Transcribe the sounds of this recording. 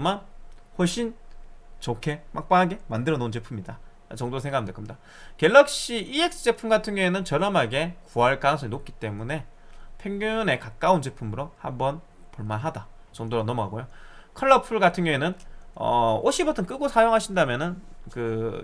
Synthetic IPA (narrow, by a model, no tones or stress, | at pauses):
ɯmanɸoɭɕʰint͡ɕokʰe̞mak̚p͈aaɡe̞mandɯɾʌnont͡ɕepʰumɲida | t͡ɕʌŋdosʰe̞ŋɡamndʰɯkʰɯmɲid̥a | ke̞ɭːʌk̚ɕ͈iie̞k̚s͈ɯ̥t͡ɕ͈e̞pʰumɡatʰɯŋjʌŋenɯnt͡ɕʌɾʌmaɡe̞kuaɭk͈aŋsʰʌinok̚k͈i̥t͈e̞mune̞pʰeŋɡune̞kak͈aunt͡ɕe̞pʰumɯɾohambʌn | poɭmanɦada | t͡ɕʌŋdoɾonʌmʌɡaɡojokʰʌɭːʌpʰɯɭɡatʰɯŋɲjʌŋenɯnʌoɕʰibotʰʌnk͈ɯɡosʰajoŋɦaɕʰindamjʌnɯnkɯ